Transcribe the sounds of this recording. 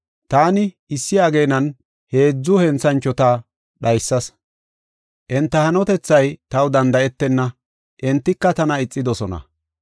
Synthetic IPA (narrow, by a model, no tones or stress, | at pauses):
t̪aːnɪ | ɪsːɪaːɡeːnɐn | he̞ːd͡zːʊhɛnt͡sːɐnt͡ʃːɔt̪aː | ɗɐjsːɐs | ʔɛnt̪ːɐhɐnɔt̪ɛt͡sːɐjt̪ɐwd̪ɐnd̪ɐʔɛt̪ːɛnːɐ | ʔɛnt̪ːɪkːɐt̪ɐnɐɪt͡sʼːɪd̪ɔsɔnɐ̰